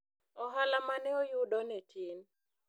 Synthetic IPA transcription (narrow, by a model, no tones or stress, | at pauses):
ɔɦalamanɛɔjudɔnɛtʰin